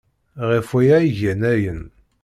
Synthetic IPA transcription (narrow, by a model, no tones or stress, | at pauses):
ʁifijæjʝənæjən